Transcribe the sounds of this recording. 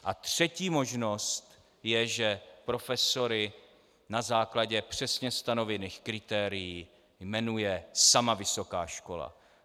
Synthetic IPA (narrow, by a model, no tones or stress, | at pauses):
ʔat̪r̝̥ɛciːmo̞ʒno̞st̪ | jɛʒɛpɾo̞fɛso̞ɾɪ | nazaːklaɟɛpr̝̥ɛsɲɛst̪ano̞vɛniːxkɾɪt̪ɛːɾɪjiː | jmɛnujɛsamavɪso̞ka̰ːʃko̞la̰